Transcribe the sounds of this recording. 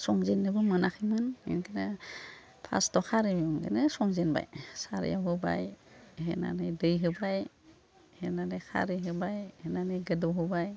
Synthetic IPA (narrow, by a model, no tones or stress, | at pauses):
sɔŋzenːɯbɯmɯnakʰɯmɯnḭnɡʰenɯ | pʰa̰stɔkʰaɾimuŋɡḛnɯsɔŋzenba̰jsaɾ̰jawɦɯba̰jhena̰nɯjdɯjɦɯbaj | henanekʰa̰ɾɯɦɯbajhenanɯɡɯdɔɦɯbaj